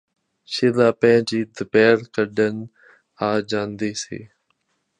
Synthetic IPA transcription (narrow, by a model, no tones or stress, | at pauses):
ʃɪlaːpɛ̃ɦɪ̃d͡ʒiːd̪əpɛːɾkəɖən | aːd͡ʒaːnd̪eːsḛː